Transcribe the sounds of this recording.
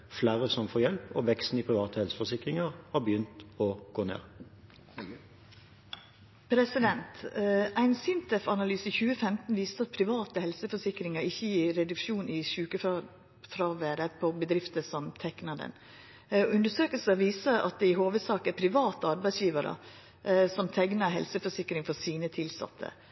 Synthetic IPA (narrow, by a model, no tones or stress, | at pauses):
flæːɾəsɔmfoːɾjɛlpɔʋɛkst̪n̩ɪpʰʁɪʋɑːt̪əhɛlsə̥fɔsɪkɾɪŋəʁhɑbəjʏnt̪ɔɡ̥oːnḛːʁ | pʰɾɛsɪd̪ɛnt̪æɪnsɪnt̪ʰɛfɑnɑlyːsəçʉːəfɛmt̪n̩ʋiːsɑt̪̚pʰɾɪʋɑːt̪əhɛlsəfɔʂɪkɾɪŋəɾɪçːəjiːɾɛd̪ʉkʂuːnɪʃʉːkəf | fɾɑʋeːɾəpʰɔbəd̪ɾɪft̪əsɔmt̪ʰɛknɑd̪ɛ̰n | ʉnd̪əʂøːkəlsəʋiːsəʔɑ̰t̪̚d̪ɛɪɦoːʋəsɑːkæpʰɾɪʋɑːt̪əɑɾbæɪsjiːʋɑɾə̰ | sɔmt̪ʰɛɡnɑɦɛ̰lsəfɔʂɪkɾɪŋfɔsiːnət̪ʰɪlsɑ̰t̪ʰːə̰